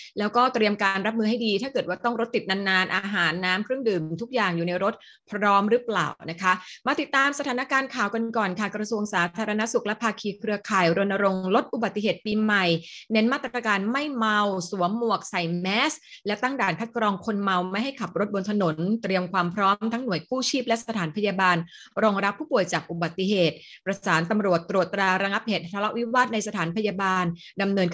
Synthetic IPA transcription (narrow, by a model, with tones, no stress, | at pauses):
lɛː˦˥wkɔː˥˩t̪ɾi˧əmkaː˧nɾa˦˥p̬̚mɯː˧ha˥˩jdiː˧t̪ʰaː˥˩kɤː˨˩t̪̚waː˥˩t̪ɔ˥˩ŋɾo˦˥t̪ːi˨˩t̪̚na˧nːaː˧nʔaː˧ɦaː˩˦nːaː˦˥mkʰɾɯ˥˩ŋdɯː˨˩mt̪ʰu˦˥k̚jaː˨˩ŋjuː˨˩na˧jɾo˦˥t̪̚ | pʰɾɔː˦˥mɾɯ˦˥pla̰ː˨˩wna˦˥kʰa˦˥ʔmaː˧t̪i˨˩t̪ːaː˧msa˧t̪ʰaː˩˦na˦˥kaː˧nkʰaː˨˩wka˧nkɔː˨˩nkʰa˧˥˩kɾa˧su˧əŋsaː˩˦t̪ʰaː˧ɾa˧na˦˥su˨˩k̚lɛ˦˥pʰaː˧kʰiː˧kʰɾɯ˧ɐkʰaː˨˩jɾo˧nːa˧ɾo˧ŋlo˦˥t̪̚ʔu˨˩ba˨˩t̪ːi˧˩heː˨˩t̪̚piː˧ma˨˩jne˦˥nmaː˥˩t̪ːɾaa˧kaː˧nma˥˩jma˧wsu˩˦ɐmu˨˩ək̚sa˨˩jmɛː˦˥slɛ˦˥t̪a˥˩ŋdaː˨˩nkʰa˦˥t̪̚kɾɔː˧ŋkʰo˧nma˧wma˥˩jɦa˥˩jkʰa˨˩p̚ɾo˦˥t̪̚bo˧nt̪ʰa˧no˩˦nt̪ɾi˧əmkʰwaː˧mpʰɾɔː˦˥mt̪ʰa˦˥ŋnu˨˩əjkʰuː˥˩t͡ɕʰiː˥˩p̚lɛ˦˥sa˧t̪ʰaː˩˦npʰa˧jaː˧baː˧n | ɾɔː˧ŋɾa˦˥pʰːuː˥˩pu˨˩əjt͡ɕaː˨˩k̚ʔu˨˩ba˨˩t̪ːi˨˩ɦeː˨˩t̪̚pɾa˧saː˩˦nt̪a˧mɾu˨˩ət̪ːɾu˨˩ət̪ːɾaː˧ɾa˧ŋa˦˥p̚heː˨˩t̪̚ʰtːʰa˧la˦˥ʔwi˦˥waː˥˩t̪̚na˧jsa˧t̪ʰaː˩˦npʰa˧jaː˧baː˧n | da˧mnɤː˧nk